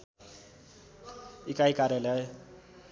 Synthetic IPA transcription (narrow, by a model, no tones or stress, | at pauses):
ikajkaɾjala